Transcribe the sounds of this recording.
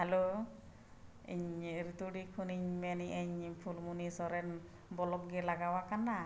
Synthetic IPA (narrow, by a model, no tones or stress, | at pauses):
halo | ḭɲɾut̪uɖikʰuniɲmɛniʔəɲpʰulmunisɔɾɛn | bɔlɔp̚ɡɛlaɡawakanːa